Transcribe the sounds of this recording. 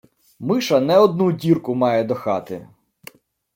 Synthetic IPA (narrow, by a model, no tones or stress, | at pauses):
mɪʃɐnɛɔd̪nudʲirkʊmɑjɛd̪ɔxɑt̪ɪ̰